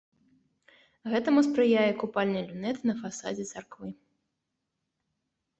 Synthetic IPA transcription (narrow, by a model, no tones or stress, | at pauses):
ɣɛt̪ɐmuspɾɨjajɛkupalʲnɨlʲunɛt̪nɐfasa̰d͡zʲɛt̪sarkvɨ